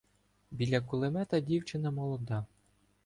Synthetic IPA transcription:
bʲilʲːakulˠɪmɛt̪ɐdʲiwt͡ʃɪnɐmɔlˠɔd̪ɑ

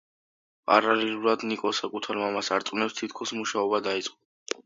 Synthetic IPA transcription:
pʼaɾalɛlˠuɾad̪nikʼɔsakʼut̪ʰaɾmamasaɾt̪sʼwnɛpst̪ʰit̪ʰkʰɔsmuʃaɔbad̪ait̪sʼqʼɔ

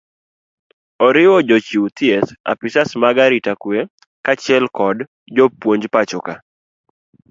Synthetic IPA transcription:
ɔɾɪwɔd͡ʒɔt͡ʃiwt̪iɛsa̰pɪsasmaɡaɾɪtakwe | kat͡ʃjɛlkɔd | d͡ʒopwoɲd͡ʒpat͡ʃɔka

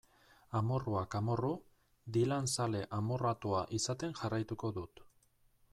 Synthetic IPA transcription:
amo̞ruakamo̞ru | d̪ilansale̞ʔamorat̪uaʔisat̪e̞ŋʝarajt̪uko̞ðut̪

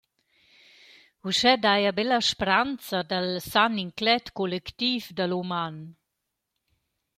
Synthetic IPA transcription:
uʃɛd̪ajabɛlaʃpɾant͡sad̪alsaniŋklɛt̪kɔlɛkt̪ifd̪aluman

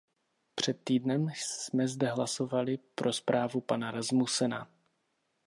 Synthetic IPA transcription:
pr̝̥ɛt̪ːiːdnɛmsmɛzdɛɦlaso̞valɪpɾʔo̞spɾʔaːvupanaɾazmusɛna

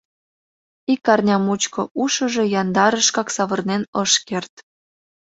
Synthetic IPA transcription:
ikːɑrnʲɑmut͡ɕkoʔuʃəʒe̽jɑnd̪ɑɾəʃkɑksɑβərnenɤʃkert̪

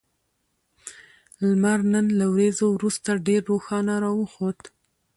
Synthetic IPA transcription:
lmaɾnənlawɾezowɾust̪aɖeɾːoxɑnaɾɑwəxod̪

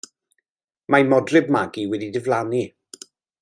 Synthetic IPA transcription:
majmɔdrɪbmaɡiwɛdidɪvlˠani

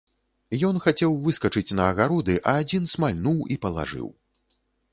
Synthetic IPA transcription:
jɔnxat͡sʲɛwvɨskɐt͡ʂɨt͡sʲnɐːɣaɾɔd̪ɨʔɐːd͡zʲinsmalʲnuwipɐlˠa̰ʐɨ̰w

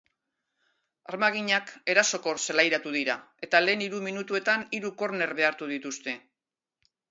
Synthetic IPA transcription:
aɾmaɣ̞iɲake̞ɾaso̞ko̞selajɾat̪uðiɾa | e̞t̪ale̞ːniɾuminut̪ue̞t̪aniɾuko̞ɾne̞ɾβe̞aɾt̪uðit̪ust̪e̞

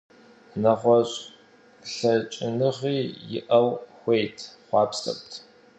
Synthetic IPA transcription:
nɐʁʷɔɕʼ | ɬɐt͡ʃʼɪnɨʁiːjɪ̰ʔɐwxʷejtʰχʷɑːpsʰɐ̰kʷʼtʰ

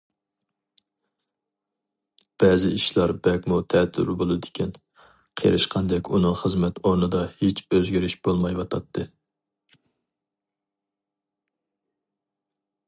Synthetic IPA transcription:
b̥ɛzɪiʃlˠɑɾbɛkʲmut̪ʰɛt̪ʰːy̰ɾbolˠɨd̪ɪ̥kʲʰin | qʰḛɾɨʃqʰɑnd̪ɛkʲunɨŋχəzmɛt̪ʰoɾnɨd̪ɑhet͡ʃʰøzɡʲiɾɪʃb̥olˠmɑjwɑt̪ʰɑt̪ʰːɨ

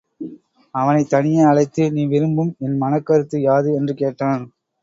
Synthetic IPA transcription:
ɐʋɐnɐɪt̪ːɐɳɪjɐɐɭɐɪt̪ːɯniːʋɪɾɯmbɯmɛnmɐnɐkːɐɾɯt̪ːɯjaːðɯɛndrɯkeːʈːaːn

